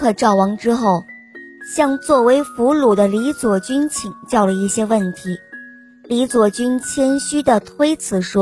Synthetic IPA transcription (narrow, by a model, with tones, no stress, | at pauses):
ɤ˥˧˩ʈ͡ʂɑ˥˩ʊwɑ˧˥ŋʈ͡ʂɻ̩˥xo˥˩ʊɕjɑ˥˧ŋt͡swɔ˥˩we˧˥ɪfu˧˥lu˨˩d̪ə˦li˧˥t͡swɔ˨˩t͡ɕy˥nt͡ɕʰi˨˩ŋt͡ɕjɑ˥˩ʊlə˩i˥˩ɕjɛ˥wə˥˩nt̪ʰi˧˥ | li˧˥t͡swɔ˨˩t͡ɕy˥nt͡ɕʰjɛ˥nɕy˥d̪ə˨t̪ʰwe˥ɪt͡sʰɹ̩˨˩ʂwɔ˥